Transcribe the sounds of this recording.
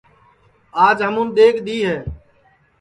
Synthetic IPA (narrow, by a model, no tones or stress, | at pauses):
aːd͡ʒɦəmʊmd̪eːkʰd̪iːɦeː